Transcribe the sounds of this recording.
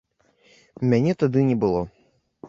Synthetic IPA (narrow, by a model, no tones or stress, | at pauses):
mʲanʲɛt̪ad̪ɨnʲɛbɨlˠɔ